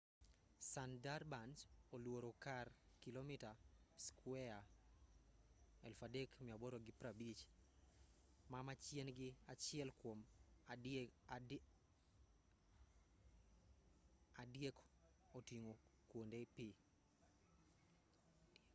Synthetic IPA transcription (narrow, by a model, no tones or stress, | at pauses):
sandarbansolwoɾokarkilomitaskwɛa | ɛlfadɛkmiabɔɾoɡipɾabit͡ʃ | mamat͡ʃjenɡɪat͡ʃɪɛlkwom | adijɛk | otiŋokwondepi